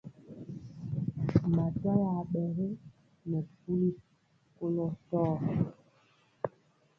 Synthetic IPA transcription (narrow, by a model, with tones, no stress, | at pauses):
ma˨ta˦ja˨ɓɛ˨ɣe˦ | nɛ˨p̚u˦li˦ | ko˦lɔ˦tɔː˦˨